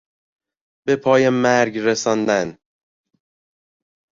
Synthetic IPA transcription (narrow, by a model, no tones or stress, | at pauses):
b̥epʰɒːjemæɾɡɾesɒːnd̪æn